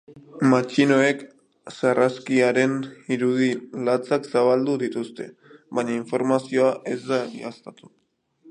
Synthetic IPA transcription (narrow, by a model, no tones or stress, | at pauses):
mat͡ʃino̞e̞k | saraskiaɾe̞niɾuð̞ilat͡saksaβald̪uðit̪ust̪e̞̰βaɲaiɱfo̞ɾmasio̞aʔe̞zd̪aḭast̪at̪u̥